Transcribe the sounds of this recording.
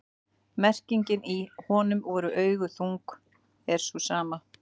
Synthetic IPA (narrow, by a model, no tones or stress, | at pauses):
mɛr̥ciɲcɪnihɔːnʏmvɔːɾʏʔœːɥɣʏθuŋk | ɛɾ̥susaːma